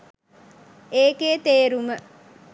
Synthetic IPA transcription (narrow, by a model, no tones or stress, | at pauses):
eːkeːt̪eːɾumə